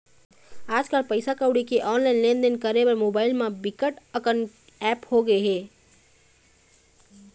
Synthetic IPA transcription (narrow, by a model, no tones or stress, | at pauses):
aːd͡ʒkalpəɪsakaʊɽikeʔɔːnlaɪnlend̪ənkəɾebəɾmoːbaːɪlmẽbikəʈəkən | ɛphoɡəeɦe